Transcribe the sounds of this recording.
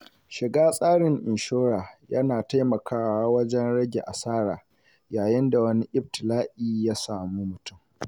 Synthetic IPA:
ʃɪ˨ɡaː˦sʼaː˦ɽɪ˨ŋʔɪ˨nʃoː˦ɽaː˨jɐ˦naː˨ta˦jmɐ˨kaː˦wa˦wɐ˦d͡ʒɛ˦nɽɐ˦ɡʲḛ˨ʔa˨saː˦ɽaː˨ | jaː˨jɪ˦nda˨wɐ˦ni˦ʔɪ˦b̚tɪ˨laː˦ʔiː˦jaː˦saː˨muː˦mʊ˨tʊ˦˨m

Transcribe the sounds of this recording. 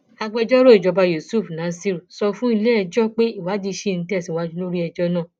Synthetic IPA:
a˧ɡ͡bɛ˧d͡ʒɔ˦ɾo˦i˨d͡ʒɔ˧ba˧jo˨su˦˨fnã˨˦si˦ɾu˨sɔ˧fũ˦i˧le˦ɛ˧d͡ʒɔ˦k͡pe˦i˦˨wa˨˦di˧ʃe˦˨n̩˨˦tɛ˦˨sĩ˨wa˧d͡ʒũ˧˦lo˦ɾi˦ɛ˧d͡ʒɔ˧nãː˦˨

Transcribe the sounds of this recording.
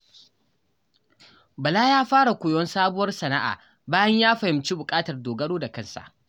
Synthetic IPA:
bɐ˨laː˦jaː˦ɸaː˦ɽa˨kʷʊː˨jɔ˦nsaː˦bʊ˦wɐ˦rsɐ˨na˦ʔa̰ː˨ | baː˦jɐ˦ɲjaː˦ɸɐ˨hɪ˨mt͡ʃi˦bʊ˨kʼaː˦tɐ˨rdoː˨ɡɐ˦ɽoː˦da˨kɐ˦nsa̰˨ʔ

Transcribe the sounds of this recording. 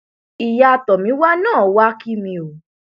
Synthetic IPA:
i˨ja˧˨tɔ˨mĩ˨˦wa˦nãː˦˨˦wa˦ki˦mĩ˧o˨

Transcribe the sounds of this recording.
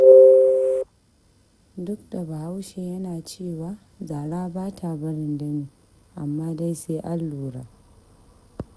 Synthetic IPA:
dʊ˦k̚da˨ba˨ha˦wʃe˨jɐ˦naː˨t͡ʃeː˦˨waː˦ | zaː˨ɽaː˦baː˦tʰa˨bɐ˦ɾɪ˨nda˦niː˨˦˨ | ʔa˨mːaː˦da˦jseː˦ʔa˦lːuː˨ɽa̰ː˨˦

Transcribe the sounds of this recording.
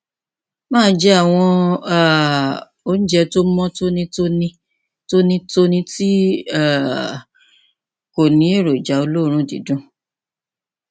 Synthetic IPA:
mãː˦d͡ʒɛ˦a˦˨w̃ɔ̃˧a˦˨ | o˧˦n̩˦d͡ʒɛ˧to˦mɔ̃˦to˦nĩ˦to˦nĩ˧ | to˦nĩ˦to˦nĩ˧ti˦a˦˨ | ko˨nĩ˨˦e˦˨ɾo˨d͡ʒa˨˦o˧lo˦˨˧ɾ̃ũ˧˦˨dḭ˨˦dũ˦

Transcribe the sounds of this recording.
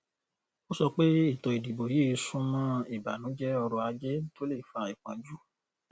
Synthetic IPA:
o˦sɔ˧k͡pe˦i˦˨tɔ˨i˨di˨bo˨jiː˦˧˦sũ˧mã˦i˦˨ba̰˨nũ˨˦d͡ʒɛ˦ɔ˧ɾɔ˧a˧d͡ʒɛ˦to˦le˦˨fa˧i˨k͡pã˨d͡ʒu˦

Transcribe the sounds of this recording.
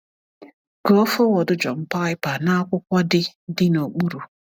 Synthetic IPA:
ɡo˦fɔ˦wɔ˨dʊ˦d͡ʒɔ˨m̩˦pa˦ɪ˦pa˨na˦kʷʊ˦kʷɔ˦dɪ˦dɪ˦no˨k͡pu˦ɾu˨

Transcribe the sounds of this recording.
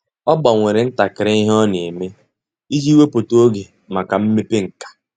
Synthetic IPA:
ɔ˦ɡ͡ba˨ŋʷe˨ɾe˨n̩˦ta˨kɪ˨ɾɪ˦i˦ɦɔ˦ne˨me˦ | i˦d͡ʒi˦we˦po˨to˦ɡe˨ | ma˨ka˨m̩˦me˦pe˦ŋ̩˨kḁ˨

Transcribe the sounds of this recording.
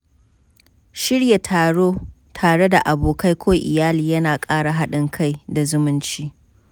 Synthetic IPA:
ʃɪ˦ɽja˨tʰaː˨ɽoː˦ | tʰaː˨ɽe˦da˨ʔa˨boː˨ka˦jkʷʰoː˦ʔɪ˨jaː˦liː˨jɐ˦naː˨kʼaː˦ɽa˨ɦa˦ɗɪ˦ŋkʰa˦jda˨zʊ˦mʊ˦nt͡ʃiː˦

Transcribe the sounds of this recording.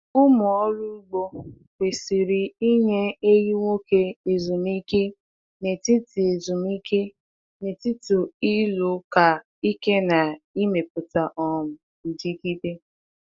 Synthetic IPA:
ʊ˦mʊ˨ɔ˦ɾu˦ɡ͡bo˦ | ke˨si˨ɾi˨i˦ɲe˦e˦ji˦ŋʷo˦ke˦e˨zu˨m˦i˦ke˦ | ne˨ti˦ti˨e˨zu˨mi˦ke˦ | ne˨ti˦tʊ˨i˦lo˨ka˨ | i˦ke˦na˨i˦me˨pʊ˨ta˨ʔɔ˦mʊ˨ | n̩˨d͡ʒi˦ki˦de˦

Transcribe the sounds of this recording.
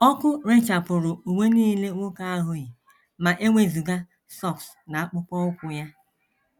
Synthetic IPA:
ɔ˦kʊ˦ɾe˦t͡ʃa˨pʊ˨ɾʊ˨u˨ŋʷe˦niː˦le˦ŋʷʊ˦ka˦a˦ɦʊ˦ɣi˨ | ma˨ʔe˦ŋʷe˦zu˨ɡa˦ | sɔ˦˨ks | na˨a˦k͡pʊ˦k͡pɔ˦ʊ˦kʷʊ˨ja˦

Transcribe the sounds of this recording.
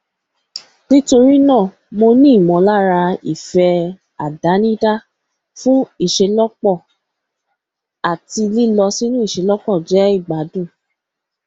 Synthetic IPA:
nĩ˦to˧ɾi˦nãː˦˨ | mo˧nĩ˦i˦˨mɔ̃˨˦la˦ɾa˧ḭ˨fɛ˧ | a˨da˨˦nĩ˦da˦ | fũ˦i˦˨ʃe˧lɔ˦k͡pɔ˦˨ | a˨ti˧li˦lɔ˧si˦nũ˦i˦˨ʃe˧lɔ˦k͡pɔ˦˨d͡ʒɛ˨˦i˦˨ɡ͡ba˨˦dũ˦˨

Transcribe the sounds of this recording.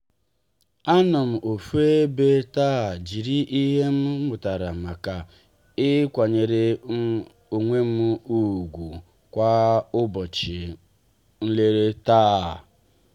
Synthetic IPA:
a˦nɔ˨m̩˨ʔo˨fu˦e˦be˦ta˦˨d͡ʒi˨ɾi˦ʔi˦ɦe˦m̩˦mʊ˨ta˨ɾa˨ma˨ka˨ | ɪ˦kʷa˨ɲe˨ɾe˨˦ | o˨ŋʷe˦m̩˦u˦˨ɡʷu˨ | kʷa˦ʊ˦bɔ˨t͡ʃɪ˨ | n̩˦le˦ɾe˦taː˦˨

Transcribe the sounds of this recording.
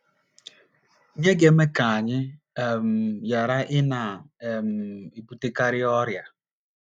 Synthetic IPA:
ɲe˦ɡe˦me˦ka˨a˨ɲɪ˦˨ | m̩˨ja˨ɾa˦ʔɪ˦na˨m̩˨i˨pu˨te˦ka˦ɾɪ˦ɔ˦ɾja˨

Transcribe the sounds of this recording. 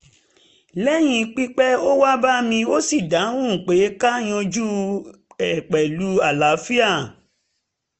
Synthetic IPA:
lɛ˦j̃ĩ˧k͡pi˦k͡pɛ˦o˦wa˦ba˦mĩ˧o˦si˦˨da˨˦wũ˦˨k͡pe˨˦ka˦j̃ɔ̃˧d͡ʒu˦ | ɛ˨k͡pɛ˨lu˨˦a˨la˨˦fi˦a˦˨

